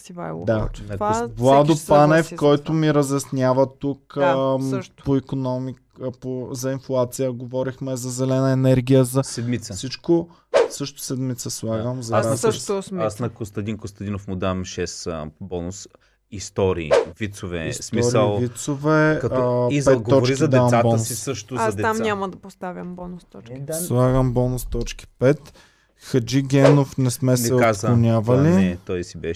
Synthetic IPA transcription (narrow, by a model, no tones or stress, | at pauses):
d̪anɐblˠad̪ʊpanɛfkɔjt̪ʊmiɾɐzjɐsnʲjavət̪uk | poikonɔmi | pozɐinflˠat̪sijəɡovɔɾixmɛzɐzɛlɛnɐɛnɛɾɡ̟ijəzɐsɛd̪mit̪səfsit͡ʃko | sɤʃt̪ʊ̥sɛd̪mit̪səslˠaɡəmzɐasasnɐkost̪ɐd̪inkost̪ɐd̪inofmʊd̪amʃɛsbɔnʊs | ist̪ɔɾḭːvit̪sovɛ̰ssmiɔɾsiəlˠvitt̪sovɛkɐizpɛɛt̪ɡ̪ːɔɾt͡ʃiizɐd̪ɛamsatbɔəsisɤʃt̪ʊad̪ɛamɲʲamɐd̪ɐpost̪avʲəmbɔnʊst̪ɔk̪slˠaɡəmbɔnʊst̪ɔt͡ʃki̥pɛt̪ | xɐd͡ʒiɡʲɛnofnɛsmɛsɛazlˠonʲavɐliɛt̪ɔjsibɛʃ